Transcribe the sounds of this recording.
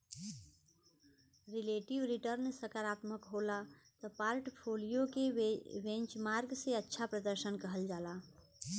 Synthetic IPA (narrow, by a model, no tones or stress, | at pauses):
ɾileʈiʋɾiʈəɾnsəkaɾat̪məkɦolat̪ɔpaɾʈpʰolijokeʋẽnt͡ʃmaɾɡseətːʃʰapɾəd̪əɾsənkəɦəld͡ʒala